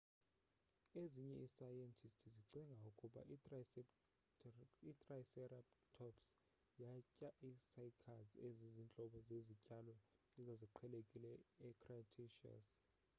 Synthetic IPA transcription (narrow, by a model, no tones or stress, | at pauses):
eziɲɛisajɛntʰistʰiziǀiŋɡʱaukʼuɓa̰ | itʼrasɛraptʰɔps | jacʼaʔisajkʰazezizint͡ɬʼɔɓɔzezicʼalɔ | izaziǃʰɛlekʼilɛɛkʰratʰeʃia̰s